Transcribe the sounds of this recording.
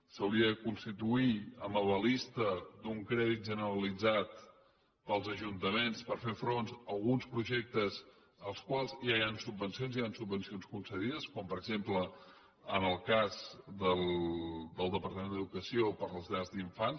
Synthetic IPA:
səwliəkunst̪it̪uiəməβəlist̪əd̪uŋkɾɛðit̪̚ʒənəɾəlid͡zat̪ | pəlˠzəʒunt̪əmenspəɾfefɾonzəlˠɣunspɾuʒek̚t̪əz | əlˠskwalˠzʒajansubːənsionziansubːənsionskunsəðiðəskɔmpəɾəɡzemplə | ənəlˠkazd̪əlˠd̪əlˠd̪əpəɾt̪əmenəðukəsiopəɾləzʎazðiɱfan

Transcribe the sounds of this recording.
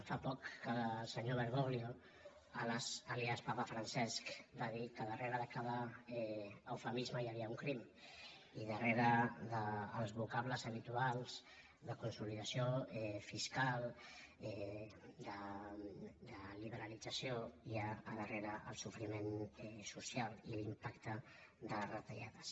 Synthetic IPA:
fapɔkːəsəɲoβəɾɣoβljo | ələzəliaspapəfɾənsɛskbaðikəðəreɾəðəkaðəɛːwfəmizməjəβiəuŋkɾim | iðəreɾəðəːlˠzβukaβləzəβ̞it̪ualˠz̥ | ðəkunsuliðəsioɛfiskalˠɛd̪ə | d̪əliβ̞əɾəlid͡zəsjoiaːðəreɾəʔə̰lˠsufɾimenɛsusialˠilimpakt̪ə | ðərət̪əʎaðəs

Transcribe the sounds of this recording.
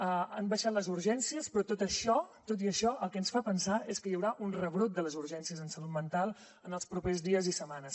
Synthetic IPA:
əəmbəʃat̪ləzuɾʒɛnsiəspɾɔt̪ot̪əʃɔt̪ot̪̬iəʃɔəlˠkɛənsfapənsaeskəjəwɾaʔunrəβɾut̪̚d̪ələzuɾʒɛnsiəzənsəlut̪̚mənt̪alˠ | ənəlˠspɾupezðiəzisəmanəs

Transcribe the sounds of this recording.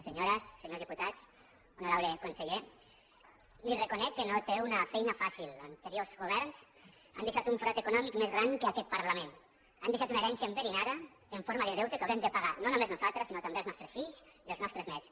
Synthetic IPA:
seɲoɾəsːeɲozðiput̪at͡s | unuɾawɾekunseʎe | lirekunɛkːənot̪eunəfɛjnəfasilˠa̰nt̪əɾiozɣuβɛɾns | a̰nd̪eʃat̪uɱfɾɔt̪ekunɔmikmezɣɾaŋkəakɛt̪̚pəɾlamẽn | a̰nd̪eʃat̪uneɾɛnsiəembeɾinaðə | eɱfoɾmaðəðɛwt̪əkawɾemd̪əpaɣanonumeznuzalˠt̪ɾəsinot̪ambelˠznɔst̪ɾəsfiʎziəlˠznɔst̪ɾəznɛt͡s

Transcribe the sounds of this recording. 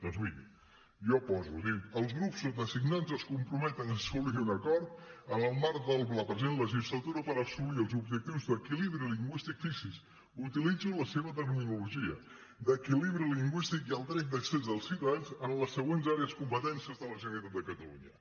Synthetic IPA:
d̪̥ɔnzβini | ʒɔpɔzṵðiəlˠzɣɾupsːot̪əsiɡnanzəskumpɾumɛt̪ənəsuβliunəkɔɾt̪ənəlˠmaɾ̚d̪əlˠpləpɾəzenləʒizlət̪uɾəpəɾəsuliəlˠzubʒək̚t̪iwzd̪əkiliβɾiliŋɡwist̪ikfisiz | ut̪ilid͡zuləseβət̪əɾminuluʒiə̰ | d̪əkiliβɾiliŋɡwist̪ikiəlˠd̪ɾɛt̪̚d̪əksezðəlˠsiwt̪əðanzənləsəɣwenzaɾeəskumpət̪ɛnsiəzðələʒənit̪at̪̚d̪əkət̪əlṵɲə

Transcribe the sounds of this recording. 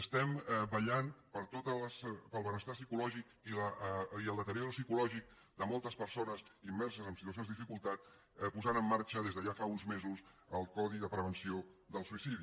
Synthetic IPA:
əst̪ɛmbəʎanpəɾt̪ot̪ələspəlˠβənəst̪asikulɔʒikiləiəlˠd̪ət̪əɾjɔɾusikulɔʒik̚ | d̪əmɔlˠt̪əspəɾsonəzimbɛɾsəzəmsit̪uəs̬jonzd̪ðifikulˠt̪at̪̚ | puzanəmːaɾt͡ʃəðezðəʒafaunzmezuz | əlˠkɔðiðəpɾəβ̞ənsiod̪əlˠsuisiði

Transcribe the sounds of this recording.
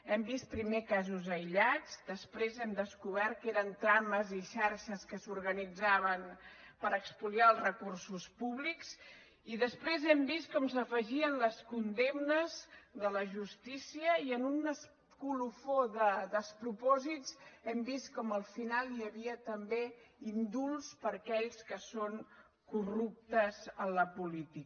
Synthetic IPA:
ɛmbist̪̚pɾimekazuzəjʎad͡zd̪əspɾezɛmd̪əskuβ̞ɛɾt̪̚keɾənt̪ɾaməziʃaɾʃəskəsuɾɣənid͡zaβənpəɾəkspuliaəlˠzrəkursuspuβliks | iðəspɾezɛmbist̪̚kɔmsəfəʒiənləskund̪emnəzðələʒust̪isiəiənunəs | kulufoðəd̪əspɾupɔzitzɛmbist̪kɔməlˠfinalˠjəβiət̪əmbeind̪ulˠspəɾkɛʎskəsoŋ | kurup̚t̪əzənləpulit̪ik

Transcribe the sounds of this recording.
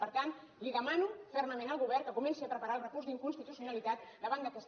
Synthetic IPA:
pəɾt̪an | liðəmanufɛrnəmẽnəlˠɣuβɛrkəkumɛnsiapɾəpaɾaəlˠrəkurzd̪iŋkunst̪it̪usiunalit̪at̪̚d̪əβ̞and̪əkɛs

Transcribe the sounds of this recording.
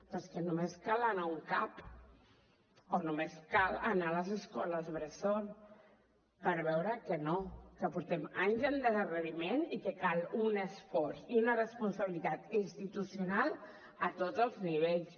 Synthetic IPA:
t̪ɔskənumeskalanauŋkap | onumeskalənaləzəskɔləzβɾəson | pəɾβɛwɾəkənokəpuɾt̪ɛmaɲzəld̪əzərəβimenikəkalunesfɔɾziunərəspunsaβilit̪at̪inst̪it̪usjunal | ət̪odzəlˠzniβ̞eʎs

